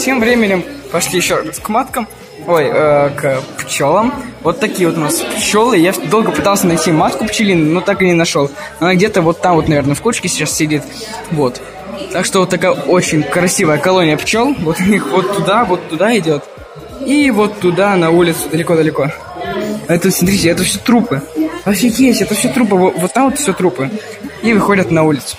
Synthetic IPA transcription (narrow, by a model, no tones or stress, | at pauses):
tʲe̞mvɾʲemʲɪnʲɪmpɐʂlʲijɪɕːoraskmat̪kəm | ojəkpt͡ɕo̞lˠəmvo̞t̪ːɐkʲijəvot̪ʊnaspt͡ɕo̞lˠɨjad̪o̞lˠɡəpɨt̪alˠsʲənɐjtʲimat̪kʊpt͡ɕɪlʲinʊnot̪akɨnʲɪnɐʂolˠ | ɐnaɡdʲe̞t̪əvo̞t̪ːamvo̞t̪nɐvʲe̞rnəfkut͡ɕkʲɪsʲɪt͡ɕassʲɪdʲit̪ | vo̞t̪ː | akʂt̪ovot̪ːɐkajəo̞t͡ɕɪnʲkɾɐsʲivəjəkɐlˠonʲɪjəpt͡ɕolˠvo̞t̪ʊnʲixvo̞t̪ːʊd̪avo̞t̪ːʊd̪aɪdʲo̞t̪ | ivo̞t̪ːʊd̪anɐulʲɪt̪sʊd̪əlʲɪko̞d̪əlʲɪko̞ | ɛt̪ut̪sʲmt̪ɾʲiɪɛt̪əfsʲɵt̪ɾupɨɐfsʲojesʲtʲɛt̪əfsʲot̪ɾup̬əvovot̪ːamoɛt̪fsʲot̪ɾupɨ | ivɨxo̞dʲət̪nɐulʲɪt̪sʊ̥